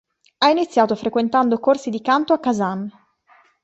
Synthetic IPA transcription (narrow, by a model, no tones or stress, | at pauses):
ainit̪sːjaːt̪ofɾekwent̪and̪okorsid̪ikant̪oakːazan